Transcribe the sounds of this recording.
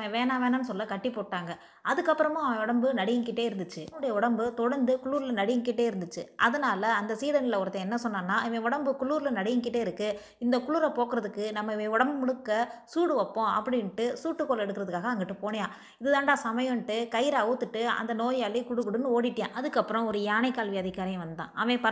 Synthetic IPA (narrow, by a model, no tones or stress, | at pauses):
mɐʋeːnaːʋeːnaːnɯsɔlːɐkɐʈːɪpoːʈːaːŋɡɐ | ɐðɯkːɐpːɯɾɐmãːʋɐ̃ʊɽɐmbɯnɐɽɪjɯŋkɪʈːeːɪɾɯnd̪ɯt͡ʃːɯɯɽɐjɐʊɽɐmbɯt̪ɔɽɐɾnd̪ɯkʊɭːuːɾɪlɐnɐɽɪjɯŋkɪʈːeːɪɾɯnd̪ɯt͡ʃːɯʔɐðɐnaːlɐːnd̪ɐsiːðɐnɪlɐʊɾɐt̪ːɐɛnːɐsɔnːaːnːaːɪʋɐ̃ʊɽɐmbɯkʊɭːuːɾlɐnɐɽɪjɯŋkɪʈːeːɪɾɯkːɯ | ɪnd̪ɐkʊɭuːɾɐpoːkɯɾɐðɯkːɯnɐmːɐɪʋẽʊɽɐmbɯmʊɽɯkːɐsuːɽɯʋɐpːõɐ̰pːɐɽɪnʈːɯsuːʈːɯkːoːlɛɽɯkːɪɾɐðɯkːaːɣɐɐŋɡɪʈːɯpoːɳɐjãː | ɪðɯðãːnɖaːsɐmɐjɐ̃ʈːɯkɐɪɪɾɐɐʋɯt̪ːɯʈːɯɐ̰nd̪ɐnoːjaːlikʊɽɯkːɯɽɯnːɯoːɽɪʈːjã̰ːʔɐðɯkːɐpːɯɾɔ̃ɔɾɯjaːnɐɪkːaːlʋiɐðɪkaːɾɐjɐ̃ʋɐnd̪d̪ã̰ːʔɐʋẽːpɐ